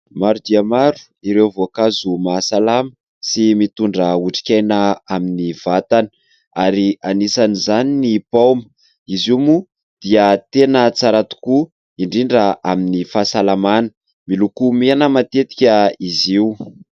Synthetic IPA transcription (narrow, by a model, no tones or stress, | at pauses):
maɾud̪iəmaɾu̥ | iɾewvoakazumasalamə̥ | simit̪uɳɖ͡ʐəuʈ͡ʂi̥kʲajnəaminivat̪anə̥ | aɾianisanizaninipawmə | izimu | d̪̥iət̪enət͡saɾat̪u̥ku | iɳɖ͡ʐiɳɖ͡ʐəʔaminifasalamanə̥ | milukumeanəmat̪et̪i̥kʲəiziu